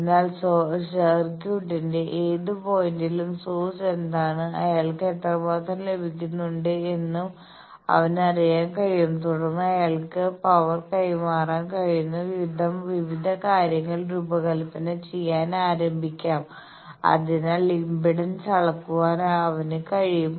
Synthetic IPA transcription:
nːaːlsosɐrkjuːʈːindeʔeːðɨpoːjindilumsoːse̞nd̪aːɳɨɐ̰jaːɭkɨet̪ːɐbaːt̪ɐmle̞bʱikʲːunːuɳɖɨe̞nːum | ɐ̰ʋɐnɐrijaːnkɐɻijumt̪uɽɐnːɨɐjaːɭkɨpɐʋɐrkɐjmaːraːnkɐɻijunːɐʋiʋid̪ʱɐmʋiʋid̪ʱɐkaːɾjɐŋːɐɭɾuːbɐɣɐlpːɐnɐt͡ɕejːaːnaːɾɐmbʱikʲːaːm | ɐ̰ðinalimbiɽɐnsɐɭɐkːuʋaːnɐʋɐnɨkɐɻijum

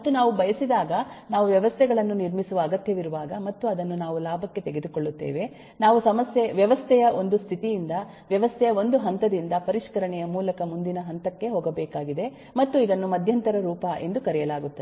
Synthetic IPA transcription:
mɐt̪ːunaːʋubɐjɐsid̪aːɡɐnaːʋuʋjɐʋɐst̪ʰɛɡɐɭɐnːuniɾmisuʋɐːɡɐt̪jɐʋiɾuʋaːɡɐmɐt̪ːuɐd̪ɐnːunaːʋulaːbʱɐkːe̞t̪eɡe̞d̪uko̞ɭːut̪ːeːʋe̞ | naːʋusɐmɐsjeʋjɐʋɐst̪ʰɛjɐʔo̞nd̪ust̪ʰit̪ijind̪ɐ | ʋjɐʋɐst̪ʰɛjɐo̞nd̪uɦɐnt̪ɐd̪ind̪ɐpɐɾiʂkɐɾɐɳɛjɐmuːlɐkɐmund̪inɐɦɐnt̪ɐkːe̞ɦoːɡɐbɛːkaːɡid̪e | mɐt̪ːuid̪ɐnːumɐd̪ʱjɐnt̪ɐɾɐɾuːpɐʔe̞̰nd̪ukɐɾɛjɐlaːɡut̪ːɐd̪

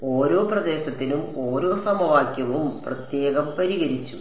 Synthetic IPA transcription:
o̞ːɾo̞ːprɐd̪e̞ːɕɐt̪ːilumo̞ːɾo̞ːsɐmɐʋaːkʲjɐʋɐuumprɐt̪je̞ːɣɐmpɐɾiɣɐɾit͡ɕːu

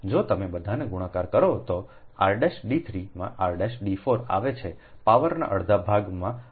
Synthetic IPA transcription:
d͡ʒot̪əmebəd̪ʱaneɡuɽ̃ãkaɾkəɾot̪oa̰ɾɖeʃɖit̪ʰɾimã̰ʔaɾɖeʃɖifoɾa̰ʋet͡ʃʰe | paʋəɾna̰ʔəɭd̪ʱabʱaɡmã

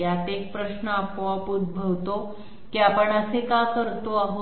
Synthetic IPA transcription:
jat̪ek̚pɾəɕnəapoapud̪̚bʱəʋt̪o | kiapəɳəsekakəɾt̪oaɦo

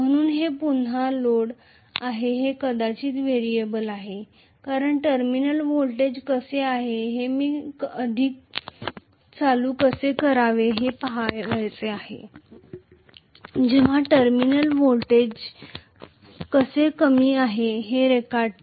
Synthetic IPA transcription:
m̤əɽ̃uːnɦepun̤aloɽ | aɦeɦekəd̪at͡ɕiːt̪ʋeɾijebəlaɦe | kaɾəɳʈəɾminəlʋolʈed͡ʑkəseaɦeɦemiːkəd̪ʱiːk̚ | t͡saluːkəsekəɾaʋeɦepaɦajʋəjt͡seahḛ | d͡ʑeʋ̤aʈəɾminəlʋolʈed͡ʑ | kəsekəmiːaɦeɦeɾekaɾɖ

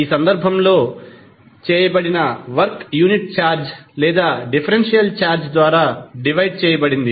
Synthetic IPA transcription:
iːsɐnd̪ɐɾbʱɐmlo̞ː | t͡ʃɛːjɐbɐɽinɐʋɐɾkjuːniʈ̚t͡ʃaːɾd͡ʒlɛːd̪aːɖipʰɐɾenʂijɐlt͡ʃaːɾd͡ʒd̪ʋaːɾaːɖiʋɐjɖ̚t͡ʃɛːjɐbɐɽind̪i

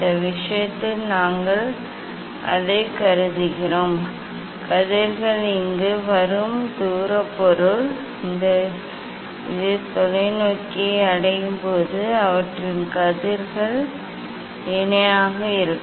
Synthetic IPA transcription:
d̪ɐʋɪʂɐjɐt̪ːɪlnaːŋɡɐɭ | ɐ̰ðɐɪkɐɾɯðɯɣɪroːm | kɐðɪɾɣɐɭɪŋɡɯʋɐɾɯmd̪uːɾɐpːɔɾɯɭ | ɪnd̪ɐ | ɪðɯt̪ɔlɐɪnoːkːiɐɽɐjɯmpoːðɯɐʋɐʈrɯnkɐðɪɾɣɐɭ | ɛnɐjaːɣɐɪɾɯkː

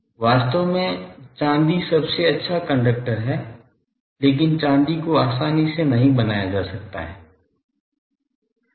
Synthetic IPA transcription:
ʋaːst̪əʋmẽt͡ʃãːnd̪isɐbseɐtːʃʰakɐ̃ɳɖək̚ʈəɾɦɛː | leːk̬ɪnt͡ʃãːnd̪ikoaːsaːnisenɐɦĩbɐnaːjad͡ʒaːsɐk̚t̪a̰ɦɛ̰ː

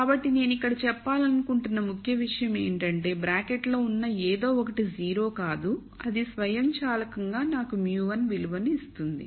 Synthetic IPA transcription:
kkaːbɐʈːine̞ːnuikːɐɽɐt͡ʃɛpːaːlɐnukuɳʈunːɐmukʰjɐʋiʂɐjɐme̞ːɳʈɐɳʈe̞ːbɾaːkeʈlo̞ːunːɐeːd̪o̞ːɔkɐʈid͡ʒiːɾo̞ːkaːd̪u | ɐd̪isʋɐjɐmt͡ʃaːlɐkɐŋɡaːnaːkumjuːʋɐnʋiluʋɐniist̪und̪ḭ

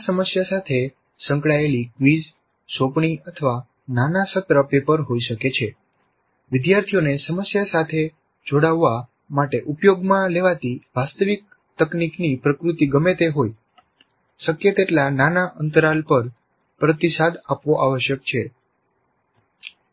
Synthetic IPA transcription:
səməsjasat̪ʰe | sə̃ŋkɭaelikʋiz | sopɳ̃iət̪ʰəʋa | nanasət̪ɾəpepəɾɦoiʃəket͡ʃʰe | ʋɪd̪jaɾt̪ʰijonesəməsjasat̪ʰe | d͡ʒoɽaʋːa | maʈeʔupjoɡmãleʋat̪iʋast̪əʋik̚ | t̪əkniknipɾəkɾut̪iɡəmet̪eɦoj | səkjet̪eʈlananaʔənt̪əɾalpəɾ | pɾət̪isad̪apʋoʔaʋəʃjək̚t͡ʃʰe

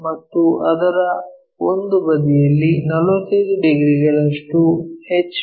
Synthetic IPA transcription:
mɐt̪ːuʔɐd̪ɐɾɐ | ond̪ubɐd̪ijɐlːinɐluked̪uɖiɡɾiɡɐɭɐʂʈuhet͡ʃː

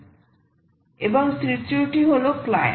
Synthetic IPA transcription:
eboŋsɾit͡ɕuʈiɦolokla

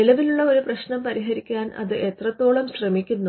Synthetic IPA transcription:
nilɐʋiluɭːɐo̞ɾuprɐɕɳɐmpɐɾiɦɐɾikʲːaːnʔɐ̰ðɨʔe̞t̪rɐt̪ːo̞ːɭɐmɕrɐmikʲːunːu

